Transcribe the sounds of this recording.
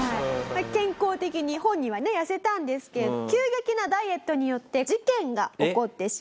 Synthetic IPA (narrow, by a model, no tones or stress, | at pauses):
aimakẽ̞ŋko̞ːt̪e̞kʲiɲ̟ihõ̞ɲ̟ːiβ̞ane̞jase̞t̪ãnd̪e̞sɨ̥ke̞ɾed̪okʲɨːɡe̞kʲinad̪aie̞t̪ːo̞ɲ̟ijo̞t̪ːe̞d͡ʑikẽ̞ŋɡaoko̞t̪ːe̞ɕi̥